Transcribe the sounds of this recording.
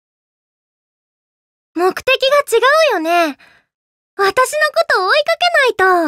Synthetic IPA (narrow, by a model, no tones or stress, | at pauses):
mo̞kɯ̟̥t̪e̞kʲiɡat͡ɕiɡaɯ̟jo̞ne̞ | βat̪aɕino̞ko̞t̪o̞ːikake̞nait̪o̞